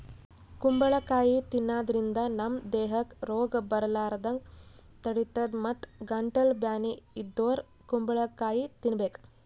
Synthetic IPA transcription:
kumbɐɭɐkːaːjit̪inːaːd̪ɐɾind̪ɐnɐmd̪ɛːɦɐkɾoːɡɐbɐɾɐlaːɾɐd̪ɐŋɡ | t̪ɐɽit̪ɐd̪mɐt̪ɡɐɳʈɐlbjaːniid̪ːoːɾ | kumbɐɭɐkːaːjit̪inɐbeːk

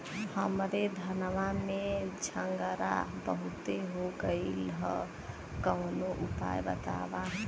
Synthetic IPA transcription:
həmɾed̪ʱənʋamed͡ʒʱʰəŋɡəɾa̰bəɦut̪eɦoɡəɪlɦə̰ | kəwnoʔupa̰jbə̰t̪a̰ba

